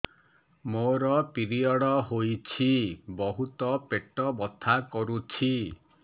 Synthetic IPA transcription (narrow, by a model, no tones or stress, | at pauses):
moɾɔpiɾiɔɽɔɦojt͡ʃʰibɔɦut̪ɔpeʈɔbɔt̪ʰakɔɾut͡ʃʰi